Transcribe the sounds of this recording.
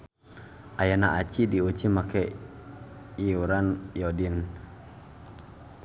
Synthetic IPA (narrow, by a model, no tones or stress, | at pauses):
ʔajanaʔat͡ʃidiot͡ʃimakɛ | iuɾanjɔdin